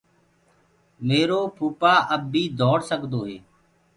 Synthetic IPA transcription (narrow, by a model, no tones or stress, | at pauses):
meːɾoːpʰuːpaːʔəbːiːd̪ʱɔːɽsəkd̪oːɦeː